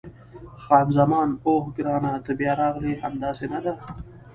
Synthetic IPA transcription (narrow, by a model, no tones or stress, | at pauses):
xɑmzamɑːnohɡɾɑːnat̪abjɑɾɑʁlihamd̪ɑːsenad̪a